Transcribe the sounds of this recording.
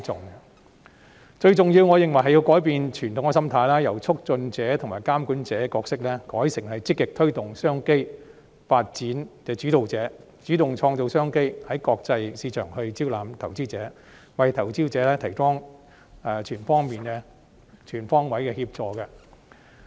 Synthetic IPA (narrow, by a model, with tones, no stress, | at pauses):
t͡sʊ˨ŋ | t͡ʃɵ˧ɥt͡sʊ˨ŋjiː˧wŋɔː˨˧jɪ˨ŋwɐ˨jɦɐ˨jːi˧wkɔː˨˥jpiː˨nt͡ʃʰyː˨˩nt̪ʰʊ˨˥ŋkɛ˧sɐ˥mt̪ʰaː˨˧jlaː˥jɐ˨˩wt͡sʰʊ˥k̚t͡sɵ˧nt͡sɛː˨˥t̪ʰŋmaː˨˩jkaː˥mkuː˨˥nt͡sɛː˨˥kɔː˧ksɪ˥k̚lɛ˥kɔː˨˥jsɪ˨˩ŋhɐ˨jt͡sɪ˥kːɪ˨k̚t̪ʰɵ˥ɥt̪ʊ˨˩ŋsœː˥ŋke˥j | faː˧t̚t͡siː˨˥nkɛː˧t͡ʃyː˨˥t̪o˨wt͡sɛː˨˥ | t͡ʃyː˨˥t̪ʊ˨ŋt͡ʃʰɔː˧ŋt̪o˧wsœː˥ŋke˥jhɐ˨˥jkɔː˧k̚t͡sɐ˧jsiː˧t͡ʃʰœː˨˩ŋhɵ˧ɥt͡siː˥wlaː˨mt̪ʰɐ˨˩wt͡siː˥t͡sɛː˨˥ | wɐ˨jt̪ʰɐ˨˩wt͡siː˥wt͡sɛː˨˧˥lɛː˥t̪ʰɐ˨˩jfɔː˥ŋ | ɛ˧t͡ʃʰyː˨˩nfɔː˥ŋmiː˨nɛ˥ | t͡ʃʰyː˨˩nfɔː˥ŋwɐ˨˥jkɛː˧hiː˧p̚t͡sɔː˧kɐ˧